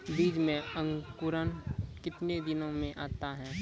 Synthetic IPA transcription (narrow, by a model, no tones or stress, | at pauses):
biːd͡ʒmẽə̃ŋkʊɾənkɪt̪ned̪ɪnõmẽʔaːt̪aɦɛː